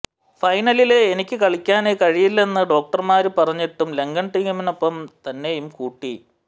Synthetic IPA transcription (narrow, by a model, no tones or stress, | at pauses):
fɐjnɐlile̞ːnikʲːɨkɐɭikʲːaːneːkɐɻijilːɐenːɨɖo̞ːk̚ʈɐrmaːɾupɐrɐɲːiʈːumle̞ŋɡɐnʈiŋumino̞pːɐmt̪ɐnːe̞jumkuːʈːi